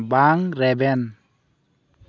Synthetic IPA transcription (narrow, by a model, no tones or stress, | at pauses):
baŋɾɛbɛn